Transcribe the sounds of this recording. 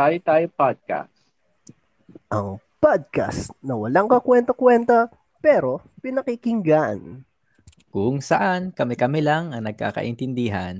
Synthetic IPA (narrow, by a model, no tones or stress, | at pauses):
ajt̪ajopad̪̚ka̰s | ʔɐŋpad̪̚ka̰snɐwɐlaŋkɐkwɛnt̪ɐkwɛnt̪ɐ | pɛɾo̞ | pɪnɐkɪkɪŋɡan | kʊŋsɐʔankɐmɛkɐmɪlaŋɐŋnɐɡ̚ka̰ːkɐ̰ʔɪnt̪ɪnd̪iːɦan